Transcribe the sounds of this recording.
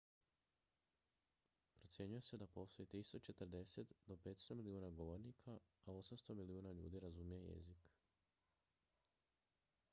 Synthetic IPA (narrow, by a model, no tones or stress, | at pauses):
pɾo̞t̪sje̞ɲuje̞se̞d̪apo̞ːst̪o̞it̪ɾist̪o̞t͡ʃe̞t̪əɾd̪e̞se̞t̪d̪o̞pe̞ːt̪st̪o̞miliuːnaɡo̞ʋo̞ɾnikʰaːo̞samst̪o̞miliuːnaʎṵːd̪iɾazumijeje̞̰zik